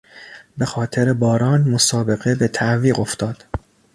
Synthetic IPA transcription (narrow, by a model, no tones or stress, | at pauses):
be̞xɒːt̪ʰe̞ɾebɒːɾɒːnmo̞sɒːbe̞ɣe̞be̞t̪ʰæʔviːɢo̞ft̪ɒːd̪̥